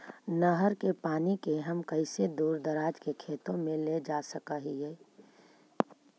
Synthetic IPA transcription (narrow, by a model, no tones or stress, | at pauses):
nəɦəɾkepaːnikeɦəmkəɪsed̪uːɾd̪əɾaːd͡ʒkekʰeːt̪õmẽled͡ʒaːsəkaɦiɦɛː